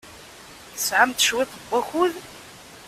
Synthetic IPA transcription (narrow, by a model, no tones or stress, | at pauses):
θəsʕamt̪əʃwɪt̪ˤəbʷːæxuð